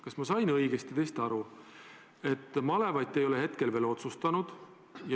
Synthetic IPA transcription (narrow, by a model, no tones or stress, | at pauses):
kɑsmɑsɑjnɤjɡ̥est̪it̪eːst̪ɑɾu | e̞t̪ːˑmɑle̞vɑjt̪ːˑejo̞le̞ɦe̞t̪ke̞lve̞ːlo̞t̪sust̪ɑnud̪̥ | jɑ